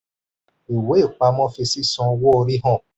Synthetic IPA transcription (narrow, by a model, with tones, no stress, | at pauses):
i˨we˦˨k͡pa˧mɔ˦fe˧si˦sɔ̃˨˦wʊ˦o˧ɾi˦ɦɔ̃˦˨